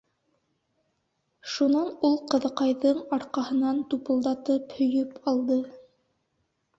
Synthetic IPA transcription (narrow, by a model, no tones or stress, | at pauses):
ʃunɑnulˠqɤ̆ðɤ̆qɑjðɤɴɑɾqɑhɤ̆nɑnt̪upɤ̆lˠd̪ɑt̪ɤphɵ̆jɵpɑlˠd̪ɤ